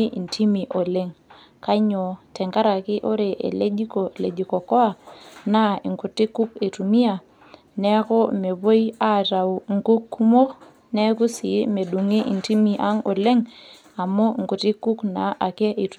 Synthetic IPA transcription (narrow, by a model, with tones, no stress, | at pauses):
i˦ʔi˨nti˦mi˨ʔo˨le˦ŋ | ka˦ɲɔ˨tɛ˨ŋka˦ɾa˨kɪ˦ʔo˦ɾe˨ʔḛ˨le˦d͡ʒi˦kɔ˨le˨d͡ʒi˨kɔ˨kɔ˦a˨na˦ḭ˨ŋku˨ti˦ku˦ke˨tu˨mi˦a˨ | nɛ˦kɔ˦me˨bo˦ja˦˨ta˨u˨ŋku˦kːu˦mo˦ | nɛ˦ku˦si˨˦me˨du˨ŋi˦ʔḭ˨nti˦mi˨ʔa˦ŋɔ̰˨le˦ŋ | a˨mɔ˦˨ŋku˨ti˦ku˦kna̰˨ʔa˨kɛ˦ʔi˨t